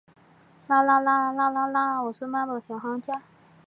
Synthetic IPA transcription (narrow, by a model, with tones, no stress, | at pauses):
la˥˩la˥la˥la˥la˥la˥wɔ˨˩ʂ̩˥ma˥lə˨˩ɕjɑ˨˩ŋxɑ˥ŋt͡ɕja˥